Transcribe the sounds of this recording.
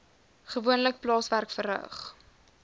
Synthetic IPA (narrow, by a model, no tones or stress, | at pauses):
χəvuənlək̚plɑːsværkfərɦə̰χ